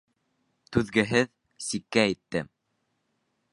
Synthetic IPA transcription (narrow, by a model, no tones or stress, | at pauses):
t̪ʉðɡɘ̆ɦɘð | sikːæːjt̪ːɘ